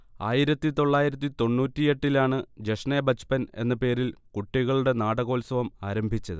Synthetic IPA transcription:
aːjiɾɐt̪ːit̪o̞ɭːaːjiɾɐt̪̬ːit̪o̞nːuːtːije̞ʈːilaːɳɨd͡ʑeʂnebɐt͡ɕpɐne̞̰nːɐpe̞ːɾilkuʈːiɣɐɭuɽe̞naːɽɐɣo̞ːlsɐʋɐmaːɾɐmbʱit͡ɕːɐðɨ̰

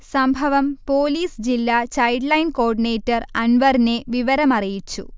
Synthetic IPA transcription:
sɐmbʱɐʋɐmpo̞ːliːsd͡ʑilːat͡ɕɐjɖlɐjnko̞ːrɖine̞ːtːɐrɐnʋɐrine̞ʋiʋɐɾɐmɐrijit͡ɕːṵ

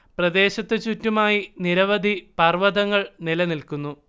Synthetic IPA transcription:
prɐd̪e̞ːɕɐt̪ːɨt͡ɕutːumaːjiniɾɐʋɐd̪ʱipɐrʋɐd̪ɐŋːɐɭnilɐnilkunːu

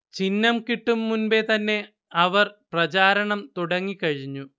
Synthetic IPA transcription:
t͡ɕinːɐmkiʈːumːunbet̪ɐnːe̞ | ɐʋɐrprɐt͡ɕaːɾɐɳɐmt̪uɽɐŋːikɐɻiɲːu

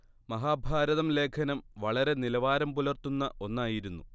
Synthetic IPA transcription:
mɐɦaːbʱaːɾɐðɐmle̞ːkʰɐnɐmʋɐɭɐɾe̞nilɐʋaːɾɐmpulɐrt̪unːɐʔo̞nːaːjiɾunːu

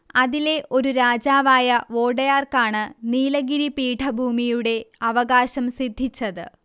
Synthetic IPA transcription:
ɐðile̞ʔo̞ɾuɾaːd͡ʑaːʋaːjɐo̞ːɽɐjaːrkaːɳɨniːlɐɡiɾipiːʈʰɐbʱuːmijuɽe̞ɐʋɐɣaːɕɐmsid̪ʱːit͡ɕːɐðɨ̰

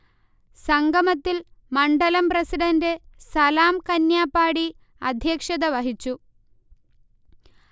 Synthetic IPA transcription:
sɐŋɡʱɐmɐt̪ːilmɐɳɖɐlɐmprɐsiɖɐndesɐlaːmkɐnjaːpːaːɽi | ɐ̰d̪ʱjɐːkʂɐðɐʋɐɦit͡ɕːu

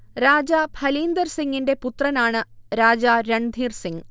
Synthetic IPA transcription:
ɾaːd͡ʑabʱʰɐliːnd̪ɐrsiŋɡinde̞put̪rɐnaːɳɨɾaːd͡ʑaɾeɳd̪ʱiːrsiŋ

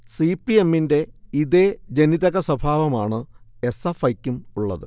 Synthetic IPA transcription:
sipːie̞mːinde̞iðed͡ʑe̞niðɐɣɐsɐbʱaːʋɐmaːɳɨe̞sɐfɐjkʲːumuɭːɐ̰ðɨ

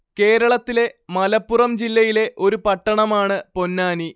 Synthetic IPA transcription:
ke̞ːɾɐɭɐt̪ːile̞mɐlɐpːurɐmd͡ʑilːɐjile̞ʔo̞ɾupɐʈːɐɳɐmaːɳɨpo̞nːaːni

